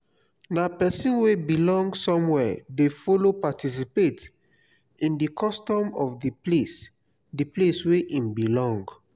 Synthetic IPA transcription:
napɛsĩnwebilɔ̃ŋɡsɔ̃mwɛdefɔlopatʰis̬ipet | ĩndikʰɔstɔ̃mɔfdiples | diplesweʔĩmbilɔ̃ŋɡ

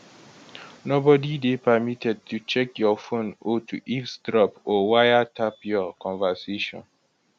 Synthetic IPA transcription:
nobɔdidepəmitɛd̚tʰut͡ʃɛkjɔfõnɔtʰṵʔifsdɹɔpɔwajatʰapjɔkɔ̃nvaseʃɔ̰̃n

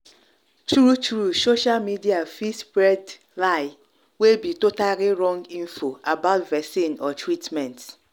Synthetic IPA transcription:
tɹutɾusoʃalmidiafispɹɛd | laɪ | webitotaliɾɔ̃ŋɡĩnfoabaʊtvɛsĩnɔtʰɹitmɛ̃nt

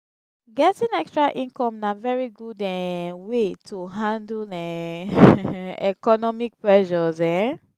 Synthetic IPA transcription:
ɡɛtĩnɛkstɹaʔĩnkɔ̃mnavɛɹiɡudɛwetʰuɦãndlɛ̃ | ɛkɔnɔmik̚pɹɛʃɔzɛ̃

